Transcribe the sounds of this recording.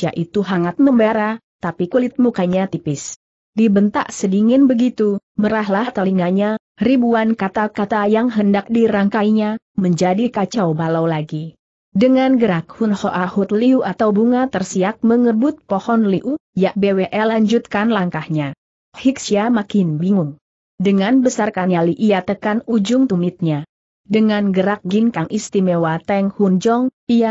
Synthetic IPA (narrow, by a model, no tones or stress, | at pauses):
ia̰ʔit̪uɦaŋat̪̚məmbaɾa | t̪apikulɪt̪̚mukaɲat̪ipɪs | dibənt̪a̰ʔsədiŋɪnbəɡit̪uməɾahlaht̪aliŋaɲa | ribuankat̪akat̪ajaŋɦəndak̚diɾaŋkajɲa | məɲd͡ʒadikat͡ʃawbalawlaɡi | dəŋanɡəɾak̚hʊnhɔʔahut̪̚liuʔat̪awbuŋat̪ərsiak̚məŋəbʊt̪̚pɔhɔnliʔujaʔ̚bewɛʔɛlaɲd͡ʒut̪̚kanlaŋkahɲa | hiksiamakɪnbiŋʊŋ | dəŋanbəsarkaɲaliʔijat̪əkanud͡ʒʊŋt̪umɪt̪̚ɲa | dəŋanɡəɾak̚ɡinkaŋʔist̪imewat̪ɛŋhund͡ʒɔŋ | ia